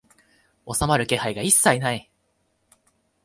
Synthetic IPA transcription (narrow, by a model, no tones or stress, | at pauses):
o̞samaɾɯ̟ke̞haiɡaisːainai